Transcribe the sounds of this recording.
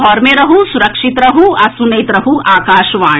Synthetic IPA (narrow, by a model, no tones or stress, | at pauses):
ɦɔːɾmẽɾɐɦusʊɾɐkʂit̪ɾɐɦuɐsunɐjt̪ɾɐɦuaːkaːʃʋãː